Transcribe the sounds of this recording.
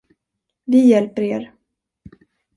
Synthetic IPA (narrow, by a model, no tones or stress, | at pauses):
vɪjɛlpəɾeːɾ